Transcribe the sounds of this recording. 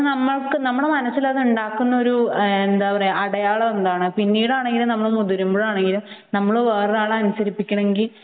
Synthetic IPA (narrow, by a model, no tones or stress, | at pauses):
nɐmːɐɭkɨnɐmːɐɭmɐnɐsːilɐðuɳɖaːkːunːɐo̞ɾuend̪aːʋɐreɐɽɐjaːɭɐend̪aːɳɨpinːiːɽaːɳe̞ŋɡilumnɐmːɐɭmuðuɾumboɭaːɳe̞ŋɡilum | nɐmːɐɭʋeːrðaːɭɐɐnusɐɾipːikʲːɐɳɐmeŋɡil